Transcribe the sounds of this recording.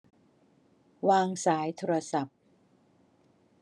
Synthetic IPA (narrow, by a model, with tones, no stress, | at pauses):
waː˧ŋsaː˩˦jt̪ʰoː˧ɾa˧sa˨˩p̚